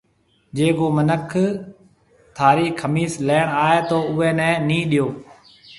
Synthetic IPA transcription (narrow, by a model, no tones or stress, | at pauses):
d͡ʒeːkoːmənəkʰ | t̪ʰaːɾiːkʰːəmiːsleːɳaːeːt̪oːʊʋɛːnɛ̃ːnĩːɗɪjoː